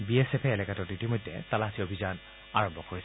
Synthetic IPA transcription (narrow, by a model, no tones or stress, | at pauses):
biesepʰɛːlɛkatɔditimojdʱːɛ̰talasʰiobʱizan | a̰ɹɔmbʱɔkoɹisɛ